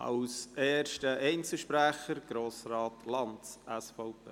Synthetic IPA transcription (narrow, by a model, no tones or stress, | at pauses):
ʔɑ̰wseːrʃtəʔɛɪnt͡səʃpɾæχəɾɡ̥ɾoːsrɑːtʰlɑnsɛsfɔʊpeː